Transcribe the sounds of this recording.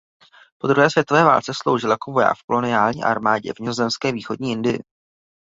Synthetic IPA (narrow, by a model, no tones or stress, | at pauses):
po̞d̪ɾuɦɛːsvjɛt̪ovɛːva̰ːlt͡sɛslo̞̰wʒɪljakovo̞ja̰ːkfko̞lo̞nɪaːlɲḭːʔa̰ɾmaːɟɛ̰vɲɪzozɛmskɛːviːxo̞dɲiːʔɪndɪjɪ̰